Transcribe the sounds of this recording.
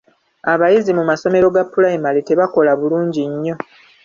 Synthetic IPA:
aβajizimumaso̞me̞ɾo̞ɡapːulaimalete̞βako̞laβuluːɲɟiɲːo̞

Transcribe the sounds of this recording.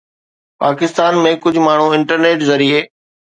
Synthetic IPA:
paːkɪst̪aːnmẽkʊd͡ʑʱʊmaːɳ̤ũɪ̃ɳʈəɾneːʈzɐɾieː

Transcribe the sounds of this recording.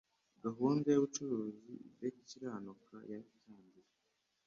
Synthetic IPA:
ɡaɦuːndajoβut͡ʃuɾuːzḭdeciɾaːnoka̰jaitaːɲdiɾe

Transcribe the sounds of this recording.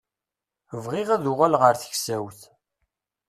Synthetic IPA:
əvʁɪʁæðʊʁalʁəɾθə̥çsæwθ

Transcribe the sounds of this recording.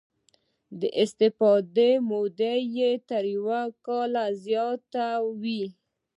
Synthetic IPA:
d̪əʔɪst̪ɪfɑd̪emod̪ejet̪əɾjwakɑlazjɑt̪awi

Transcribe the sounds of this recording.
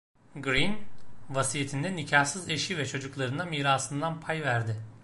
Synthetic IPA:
ɡɾinvasijet̪ʰind̪ɛnicʰahsɯze̞ʃivɛt͡ʃʰo̞d͡ʒuklˠaɾɯnamiːɾaːsɯnd̪anpʰajvæɾd̪ɪ

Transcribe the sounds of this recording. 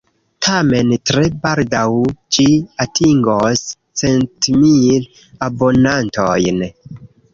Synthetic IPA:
tʰame̞ntɾebaldawd͡ʒiatʰiŋɡos | t͡se̞ntmil | abo̞nantojn

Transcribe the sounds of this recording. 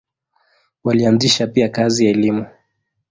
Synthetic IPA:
walianziʃapiakazijaɛlimu

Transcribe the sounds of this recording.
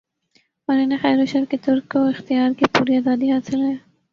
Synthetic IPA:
mɐnenexɛːɾoʃɐɾket̪ʊɾkːoɪxt̪ijaːɾkipuːɾiaːzaːd̪iɦaːsɪlɦɛ

